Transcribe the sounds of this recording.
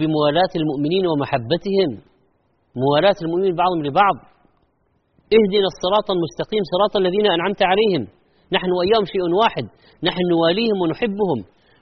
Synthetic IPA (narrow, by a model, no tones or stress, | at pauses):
bɪmʊwaːlaːt̪almʊʔmɪniːnwɪmaħabːat̪ɪhɪmː | ʊwaːlaːt̪almʊʔmɪmiːlbɑʕðˤhʊmlɪbɑʕðˤ | ʔɪhd̪ɪnasˤːɨɾˤɑːt̪ˤɑlmʊst̪ɑqiːmsˤɨɾˤɑːt̪ˤɑalːaðiːnaʔanʕamt̪ʕaleːhɪm | naħnʊwʔajːaːhʊmʃaːʔnwaːħɪd̪̚ | naħnnwaːliːhɪmwɪnʊħɪbːʊhʊm